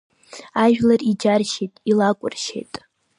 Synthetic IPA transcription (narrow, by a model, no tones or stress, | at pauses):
aʒᶣlarid͡ʒarʃejtʼilakʷʼʊrʃḛjtʼ